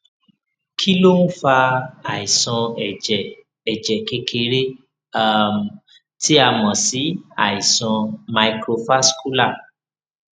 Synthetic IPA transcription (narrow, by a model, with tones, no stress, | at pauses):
kʰi˦lo˦ñ̩˦fa˧a˨i˨sɔ̃˧˨d͡ʒɛ˨ | ɛ˨d͡ʒɛ˨ke˧kʰe˧ɾe˦ | a˦˨m˨ | ti˦a˦˨mɔ̃˨si˨˦a̰˨i˨sɔ̃˧ma˧i˧kɾo˧fa˦sku˦la˦˨